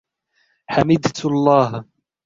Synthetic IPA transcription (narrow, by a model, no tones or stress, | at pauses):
ħamɪd̪t̪ɑlˤːɑːh